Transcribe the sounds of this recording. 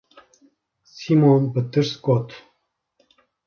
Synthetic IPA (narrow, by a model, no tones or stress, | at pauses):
simonbət̪ɨɾskɔt̪